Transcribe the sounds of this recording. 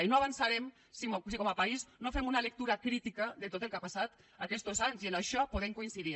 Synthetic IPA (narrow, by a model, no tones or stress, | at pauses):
inoaβansaɾɛm | sisikɔmapaiznofɛmunalək̚t̪uɾakɾit̪ikəðet̪ot̪elˠkapasat̪ | akɛst̪ozaɲzienaʃɔpoð̞emkuinsiði